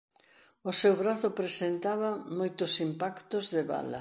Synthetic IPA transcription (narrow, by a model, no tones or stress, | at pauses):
ʊsewβɾaθʊpɾesent̪aβɐmojt̪ʊsimpakt̪ʊzðeβa̰lɐ̰